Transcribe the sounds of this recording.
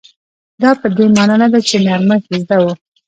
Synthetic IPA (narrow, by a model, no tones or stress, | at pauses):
d̪ɑpəd̪emɑnɑnad̪at͡ʃemjɑɾməxizd̪awu